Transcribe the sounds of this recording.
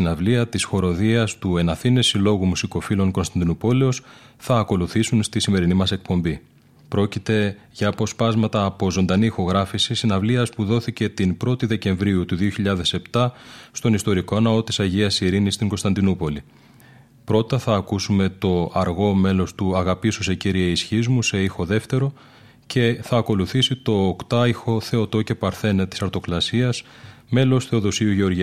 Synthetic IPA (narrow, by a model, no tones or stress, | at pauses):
inɐvliɐt̪isxo̞ɾo̞ðiɐst̪ue̞nɐθine̞silo̞ɣumusiko̞filo̞ŋko̞nst̪ɐnd̪inupo̞leo̞sθɐːko̞luθisunst̪isime̞ɾinimɐse̞k̚po̞mbi | pɾo̞cit̪e̞ | ʝɐːpo̞spɐzmɐt̪ɐːpo̞zo̞nd̪ɐnixo̞ɣɾɐfisisinɐvliɐspuðo̞θice̞t̪inpɾo̞t̪iðe̞ce̞ɱvɾiut̪uðioçiʎɐðe̞se̞pt̪ɐst̪o̞nist̪o̞ɾiko̞nɐo̞t̪i̥sɐʝiɐsiɾinist̪iŋɡo̞st̪ɐnd̪inupo̞li | pɾo̞t̪ɐθɐːkusume̞t̪o̞ɐɾɣo̞me̞lo̞st̪uɐɣɐpisuse̞ciɾiɐisçizmuse̞ixo̞ðe̞ft̪e̞ɾo̞ | ce̞θɐːko̞luθisit̪o̞ːkt̪ɐixo̞θe̞o̞t̪o̞ce̞pɐɾθe̞nt̪i̥sɐɾt̪o̞klɐsiɐs | me̞lo̞st̪θe̞oðo̞siuʝe̞o̞ɾʝi